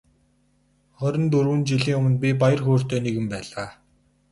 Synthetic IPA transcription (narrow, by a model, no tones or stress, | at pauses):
χœɾʲɞ̆nt̪urwɘ̆nt͡ɕiɮiːŋɵmɵ̆npʲipajə̆rxoːr̥t̪eːneɣɘ̆mpæːɮaː